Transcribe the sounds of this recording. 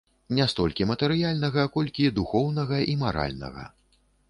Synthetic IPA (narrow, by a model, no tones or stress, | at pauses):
nʲast̪ɔlʲkʲimɐt̪ɛɾɨjalʲnɐɣɐkɔlʲkʲid̪uxɔwnɐɣɐʔimaɾa̰lʲnɐ̰ɣɐ̰